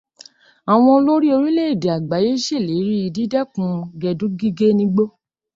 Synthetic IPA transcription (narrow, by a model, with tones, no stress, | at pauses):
a˨w̃ɔ̃˧lo˦ɾi˦o˧ɾi˦le˦e˦˨de˨a˨ɡ͡ba˨˦je˦ʃe˦˨le˨˦ɾi˦i˧di˦dɛ˦kũ˧˦ɡɛ˧dũ˦ɡi˦ɡe˦nĩ˧˦ɡ͡bo˦